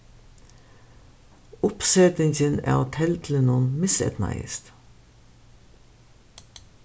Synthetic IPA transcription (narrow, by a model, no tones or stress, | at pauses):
ʊpsɛt̪ɪɲçənæ̰ːʊt̪ʰɛlt̪ʰlnuːnmɪsɛ̰t̪nɑ̰ɪ̰st̪